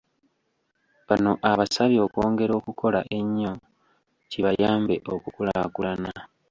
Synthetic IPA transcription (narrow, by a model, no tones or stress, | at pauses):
βano̞ʔaβasaβjo̞ːkwo̞ːŋɡe̞ɾo̞ːkukʰo̞laʔe̞ɲːo̞ | ciβajaːmbe̞ʔokukula̰kulana